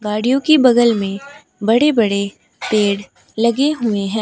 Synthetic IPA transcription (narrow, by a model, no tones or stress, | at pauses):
ɡaːɽijõkibɐɡəlmẽ | bɐɽebɐɽe | peːɽ | lɐɡeɦʊeɦɛ̃ː